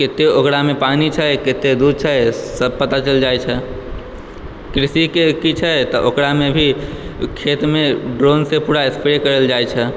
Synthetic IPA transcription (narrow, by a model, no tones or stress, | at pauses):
ket̪eokɾamepanit͡ʃʰəket̪ed̪ud̪̚ʱt͡ʃʰəsəb̚pət̪at͡ʃəld͡ʒajt͡ʃʰɛ | kɾisikekit͡ʃʰət̪ɔʔokɾamebʱikʰet̪meɖɾonsepuɾaespeɾekəɾəld͡ʒajt͡ʃʰɛ